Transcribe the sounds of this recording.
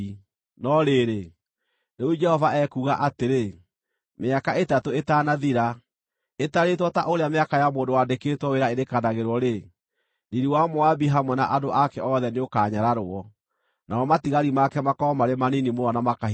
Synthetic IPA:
nɔɾeɾe | neud͡ʒɛhɔvaɛkuɣaʔateɾe | meakaʔetatoetanaðiɾa | etaɾetwɔta̰ʔoɾeameakajamoːndowaːdekeːtwɔweɾaeɾekanaɣeɾwɔɾe | niɾiwamoabiɦamwɛna̰ʔadoʔakɛɔðɛneokaːɲaɾaɾoɔ | naɔmatiɣaɾimakɛmakɔɔmaɾemaninimoɾɔnamaka

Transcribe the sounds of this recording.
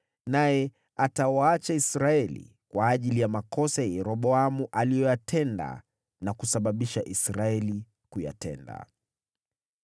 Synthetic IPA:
najɛ | atawaat͡ʃaisɾaɛlḭ | kwaːʄilijamakɔsajɛɾɔɓɔamuʔalijɔjatʰɛnda̰ | nakusaɓaɓiʃaʔisɾaɛli | kuja̰tɛ̰nda̰

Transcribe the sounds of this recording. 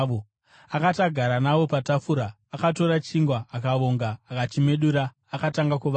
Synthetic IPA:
ʋo | akataɡʱaɾanaʋo̞patafuɾaːkato̞ɾat͡ʃiŋɡwaːkaʋo̞ŋɡaːkat͡ʃime̞ɗuɾaː | kataŋɡakuʋa

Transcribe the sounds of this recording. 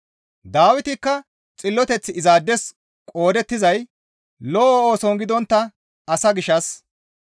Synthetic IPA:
d̪aːwɪt̪ɪkːɐ | t͡sʼɪlːɔt̪ɛt͡sːɪɪzaːd̪ːɛs | kʼo̞ːd̪ɛt̪ːɪzɐj | lɔːoːsɔŋɡɪd̪ɔnt̪ːɐ | ɐsɐɡɪʃɐs

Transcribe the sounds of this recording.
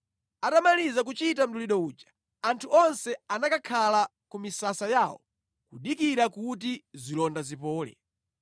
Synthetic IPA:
atamalizak̬ut͡ʃitam̩tuliɗɔuːt͡ʃḁ | antʰuɔnsɛanakakʰala | kumisasajaːwɔ̰ | kuɗikiɾakut̬izilɔndazipɔːlɛ̰

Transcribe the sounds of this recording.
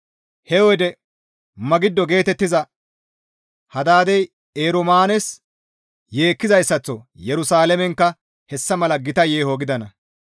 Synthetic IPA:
hɛwɔjd̪ɛ | mɐɡɪd̪ːɔɡe̞ːt̪ɛt̪ːɪzɐ | hɐd̪aːd̪ɛj | eːɾʊmaːnɛs | jeːkːɪzɐjsːɐt͡sːɔjɛɾʊsaːlɛmɛŋkːɐ | hɛsːɐmɐlɐɡɪt̪ɐjeːhoɡɪd̪ɐnɐ

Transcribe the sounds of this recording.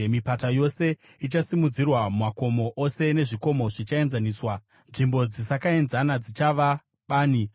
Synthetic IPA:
mipatajo̞se̞ | it͡ʃasimud͡zirwammako̞mo̞ʔose̞ne̞ʐiko̞mo̞ʐit͡ʃae̞nzaniːswa | nʐimbo̞d͡zisakae̞nzanad͡zit͡ʃaʋa | ɓaːni

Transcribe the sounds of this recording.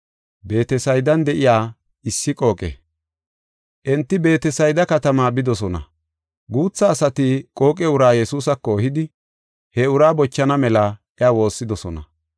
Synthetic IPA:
be̞ːt̪ɛsɐjd̪ɐnd̪ɛʔɪjaː | ɪsːɪkʼo̞ːkʼḛ | ʔɛnt̪ːɪbe̞ːt̪ɛsɐjd̪ɐkɐt̪ɐmaːbɪd̪ɔsɔnɐ̰ | ɡuːt͡sːɐːsɐt̪ɪkʼo̞ːkʼɛʊɾaːjɛsuːsɐkːoːhɪd̪ɪ | hɛʊɾaːbɔt͡ʃːɐnɐmɛlɐʔɛawo̞ːsːɪd̪ɔsɔnɐ̰

